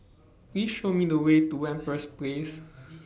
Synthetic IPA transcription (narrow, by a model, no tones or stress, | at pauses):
wiʃomidəwetuwɛ̃npəsples